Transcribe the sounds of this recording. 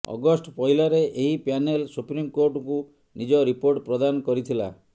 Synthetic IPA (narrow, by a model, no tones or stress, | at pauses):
ɔ̰ɡɔsʈpɔjlaɾeʔeɦipjanelsupɾimkoɾʈku | nid͡ʒɔɾipoɾʈpɾɔd̪anɔkɔɾit̪ʰila̰